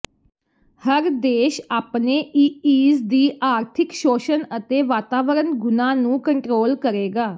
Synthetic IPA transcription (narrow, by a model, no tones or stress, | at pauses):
həɾd̪eːʃaːpneːʔiːiːzd̪iːʔaːɾt̪ʰɪkʃoːʃənət̪eːʋaːt̪aːʋəɾənɡʊnãːnũːkəɳʈɾoːlkəɾeːɡaː